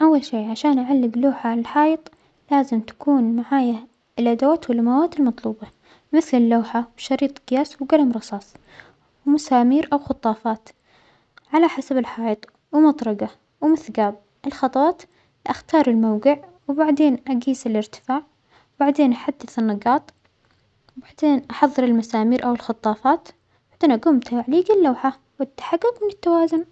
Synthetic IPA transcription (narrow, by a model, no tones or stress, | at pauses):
ʔawːalʃeːʕaʃaːnʔaʕalːɪɡloːħaʕlalħɑːjɨt̪ˤ | laːzɪmt̪ḁkuːnmaʕaːja | lʔad̪awaːt̪wɪlːamawaːt̪ɪlmɑt̪ˤluːbɑ | mɪθlɪlːoːħawʃɑɾiːt̪ˤɡ̥ɪjaːswɡalamɾˤɑsˤɑːsˤ | wmʊsaːmiːɾʔawxʊt̪ˤːɑːfɑːt̪ | ʕalaħasabɪlħɑːjɨt̪ˤ | wɪmɑt̪ˤɾˤɑɡa | wmɪθɡaːb̚ | ʔɪlxɑt̪ˤɑwɑːt̪ | ʔaxt̪ɑːɾˤɪlmawɡɪʕ | wbaʕd̪eːnʔaɡiːsɪlɪɾt̪ɪ̥faːʕ | baʕd̪eːnʔaħad̪ːɪθɪnːɑɡɑːt̪ˤ | wbaʕd̪eːnʔɑħɑðˤːɨɾɪlmasaːmiːɾʔawɪlxɑt̪ˤːɑːfɑːt̪ | baʕd̪̥eːnʔaɡʊmt̪aʕliːɡɪlːawħa | wɪt̪ːḁħaɡːʊɡmɪnɪt̪ːawaːzʊn